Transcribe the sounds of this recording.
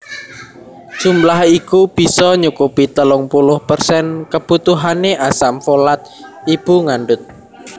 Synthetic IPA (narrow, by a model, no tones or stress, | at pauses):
d̥ʒ̥ṳmlahikub̥i̤sɔɲukupit̪əlʊŋpulʊhpərsɛnkəb̥ut̪uɦaneʔasamfolat̪̚ib̥uŋaɳɖʊt̪̚